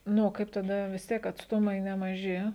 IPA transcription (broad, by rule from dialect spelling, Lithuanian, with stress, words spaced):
ˈnʊ oː ˈkɐɪp tɐˈdɐ ʋʲɪs ˈtʲiɛk ɐtsˈtʊmɐɪ nʲɛmɐˈʒʲɪ